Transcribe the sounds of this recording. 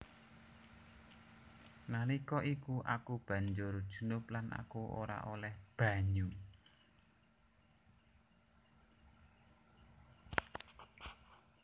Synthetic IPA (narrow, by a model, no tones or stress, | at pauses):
nalikɔʔikuʔa̰kub̥ä̤ɲd͡ʒʊrd̥ʒ̥u̥̤nʊplana̰kuo̰ɾa̰ʔolɛhb̥a̤ɲu